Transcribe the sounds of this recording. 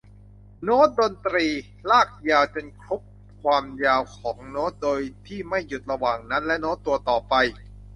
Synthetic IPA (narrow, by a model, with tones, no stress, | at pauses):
noː˦˥t̪̚do˧nt̪ɾiː˧ | laː˥˩k̚jaː˧wt͡ɕo˧nkʰɾo˦˥p̚ | kʰwaː˧mjaː˧wkʰɔː˩˦ŋnoː˦˥t̪̚doː˧jt̪ʰiː˥˩ma˥˩jːu˨˩t̪̚ɾa˧waː˨˩ŋna˦˥nlɛ˦˥ʔnoː˦˥t̪ːu˧ɐt̪ɔː˨˩pa˧j